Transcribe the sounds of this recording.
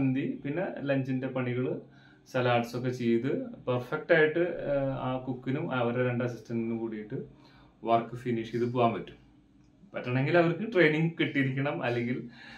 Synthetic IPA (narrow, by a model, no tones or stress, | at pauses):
nd̪ipinːe̞lɐɲd͡ʑinde̞pɐɳiɣɐɭɨ | sɐlaːʈsok̬ːe̞t͡ɕejt̪ɨpɐrfek̚ʈaːjiʈːɨaːkukːinumɐʋɐɾeɾeɳɖɐɐsistɐninːumkuːɽijiʈːɨ | ʋɐrkɨfiniʂiðɨp̬uaːmbɐtːum | pɐtːɐɳeŋɡilɐʋɐrkɨʈre̞jniŋɡkiʈːiɾikʲːɐɳɐmɐlːeŋɡil